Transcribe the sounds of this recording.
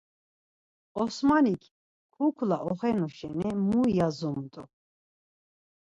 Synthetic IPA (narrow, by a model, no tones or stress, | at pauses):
ɔsmanikʰ | kʰukʰlaʔɔχɛnuʃɛ̰nɛmujazɔmt̪ʼṵ